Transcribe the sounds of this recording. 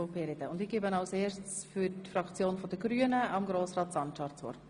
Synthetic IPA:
peɾɛdəʊndɪɡ̥eːbənɑʊseːtt͡sfytfrɑkt͡sjoːnfɔdəɡɾyənəɑmɡɾoːsrɑːtsɑntɑːɾtt͡sʋɔ̰rt

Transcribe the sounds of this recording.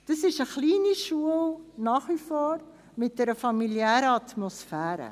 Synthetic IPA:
d̥əsɪʃəχliːniʃuəlnɑːχʋifoːr | mɪt̚dɛɾəfɑmiliæːɾəɑtmɔsfæːɾə̰

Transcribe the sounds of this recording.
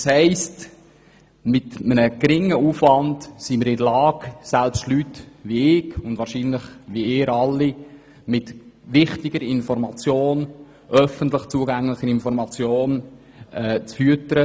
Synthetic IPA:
shɛɪst | mɪtmənəɡɾɪŋːəuːfʋɑntsiməɾɪdəlɑːɡsælpʃtlytʋiɪɡʊndvɑːɾʃinləχʋiɪːɾɑlːi | mɪtʋɪχtɪɡ̥əɾɪnfɔɾmɑt͡sjoːn | ʔœfəntləχt͡suəɡæŋləχəɾɪnfɔɾmɑt͡sjoːn | ɛt͡sfyətəɾə

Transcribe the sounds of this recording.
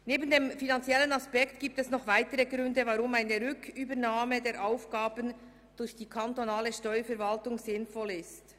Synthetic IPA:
neːbən̩deːmfinant͡sjɛlənaspɛktɡ̥iːp̚tɛsnɔχvaɪtəɾəɡʁʏndəvaʁʊmaɪnəɾʏkʰyːbənaːmədeːɾʔaʊfɡ̥aːbən | d̥ʊɾçd̥iːkʰantonaːləʃtɔʏəfɛɾvaltʊŋzɪnfɔlɪst

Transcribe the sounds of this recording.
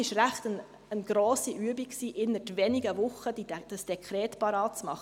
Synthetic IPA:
ɪʃɾæχt̪ən | ənɡ̥ɾoːsiʔyəbiksiːʔɪnətʋɛniɡəvʊχːəd̥id̥əsd̥ɛkʰχɾɛːtpɑɾɑːt̚t͡smɑχə

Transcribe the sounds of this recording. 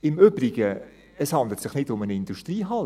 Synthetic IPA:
ɪmøb̥ɾiɡ̥ə | əshɑnd̪lətsɪχnɪdʊmənɪnduʃtriːɦɑl

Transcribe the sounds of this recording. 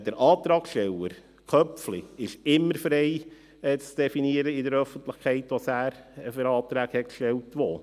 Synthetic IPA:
d̥əɾʔɑːt̪ɾɑːksʃtɛləɾ | kʰœpfliɪʃɪmːəɾfɾeɪ | ɛːt͡sd̥ɛfiniəɾəɪdəɾœfəntlɪχkʰɛɪtʋosæːɾəfəɾɑːt̪ɾæːɡhɛt̚kʃtɛltʋo

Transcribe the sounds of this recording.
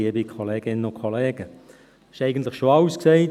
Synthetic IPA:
iəbikʰolɛːɡ̥ɪnənokʰɔlɛːɡ̥ə | ɪ̥ʃɛɪɡən̩tləχʃoɑʊsksɛɪt

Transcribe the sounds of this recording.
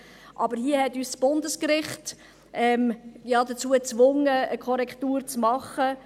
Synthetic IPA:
ʔɑbəɾhiəhɛtyːssb̥ʊndəskɾɪχt | ʔɛmjɑːd̪ət͡suːət͡svʊŋəəkʰɔɾɛkʰtuːɾt͡smɑχə

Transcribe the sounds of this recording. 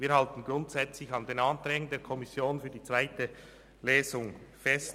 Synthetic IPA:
viːɐɾhɑltən̩ɡɾʊntsɛt͡slɪçɑndeːnɑntɾɛːɡən̩deːɐkʰɔmɪsjoːnfyːɐdiːt͡svaɪtə | leːzʊŋfɛst

